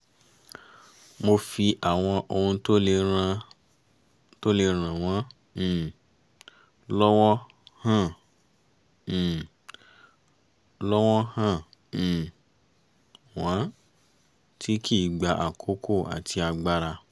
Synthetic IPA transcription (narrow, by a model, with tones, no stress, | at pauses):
mo˧fi˧ʔa˨w̃ɔ̃˧ʔo˧hũ˧to˦le˧ɾã˧ | to˦le˧ɾ̃ã˨w̃ɔ̃˨˦˨ | lɔ˦wɔ˦ | hã˦˨ | lɔ˦wɔ˦hã˦˨ | w̃ɔ̃˨˦ | tʰi˦kʰi˦˨ɡ͡ba˨ʔa˨kʰo˨˦kʰo˦˨a̰˨tʰi˧a˧ɡ͡ba˦ɾa˧